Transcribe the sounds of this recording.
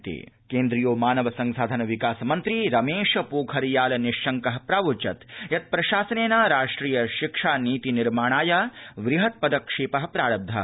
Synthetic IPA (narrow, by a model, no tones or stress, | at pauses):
t̪ḭ | keːnd̪ɾijoːmaːnɐʋɐsɐŋsaːd̪ʱɐnɐʋikaːsɐmɐnt̪ɾiɾɐmeːʂɐpuːkʰɐɾijaːlɐniʂɐŋkɐɦɐpɾaːʋut͡ʃɐt̪jɐt̪̚pɾɐʃaːsɐneːnaːɾaːʂʈɾiːjɐʃikʂaːniːt̪iniɾmaːɳ̃aːjaːʋɾiɦɐt̪̚pɐd̪ɐkʂiːpɐɦɐ̆pɾaːɽɐb̚d̪ʱɐ̰